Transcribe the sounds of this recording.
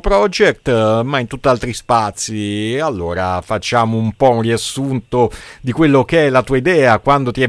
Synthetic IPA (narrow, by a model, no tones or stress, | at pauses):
pɾɔd͡ʒɛk̚t̪maint̪ut̪ːialt̪ɾispat̪sːialːoːɾa̰fat͡ʃːaːmoumpɔunriasːunt̪od̪ikwelːokeɛlat̪uːaid̪ɛːakwand̪ot̪iɛ